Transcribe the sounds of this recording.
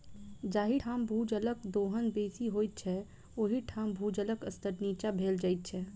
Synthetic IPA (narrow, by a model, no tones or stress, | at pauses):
d͡ʒaːɦiʈʰambʱuːd͡ʒələkd̪oɦənbeːsiɦojt̪̚t͡ʃʰɛ | oːɦiʈʰãmbʱud͡ʒələɡəst̪əɾnit͡ʃabʱeld͡ʒaːɪt̪̚t͡ʃʰɛ